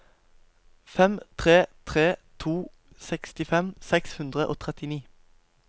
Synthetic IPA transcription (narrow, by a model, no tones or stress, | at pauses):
fɛmt̪ʰʁeːt̪ʰʁeːt̪ʰuː | sɛkst̪ɪfɛmsɛkshʉnd̪ʁəʔo̰ːt̪ʰʁɛt̪ɪniː